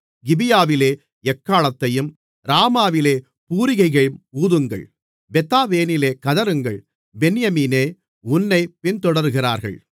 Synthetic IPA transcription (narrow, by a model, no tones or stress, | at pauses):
ɡɪbɪjaːʋɪleː | ɛkːaːɭɐt̪ːɐjɯm | ɾaːmaːʋɪleː | puːɾɪɣɐɪɣɐɭɯmuːðɯŋɡɐ̰ɭ | bɛt̪ːaːʋeːnɪleːkɐðɐɾɯŋɡɐɭ | bɛnɪjɐmiːneː | ʊnːɐɪpɪnt̪ɔɽɐɾɯɣɪra̰ːɾɣɐ̰ɭ